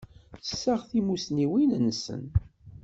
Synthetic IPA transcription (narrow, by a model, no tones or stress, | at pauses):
sːəʁθimusniwinnːsə̰n